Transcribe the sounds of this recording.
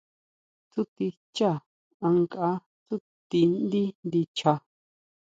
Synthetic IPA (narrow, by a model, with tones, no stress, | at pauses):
t͡su˦t̪i˧ | t͡ʃa˦˨ | ã˧ŋka˧˦ | t͡su˦ | t̪i˧nd̪i˦nd̪i˧t͡ʃʰa˧